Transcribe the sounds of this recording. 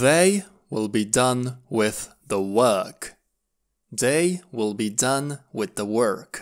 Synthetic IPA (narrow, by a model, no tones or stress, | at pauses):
ðeɪ | wɪlˠbidʌ̃nwɪð | ðəwɜ˞k | d̥eɪwɪlˠbidʌ̃nwɪðəwɜ˞k